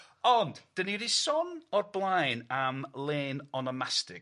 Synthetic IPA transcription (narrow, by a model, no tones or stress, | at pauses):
ɔndd̥əniɾisɔnɔrblˠajnamlˠeːnɔnɔmastɪɡ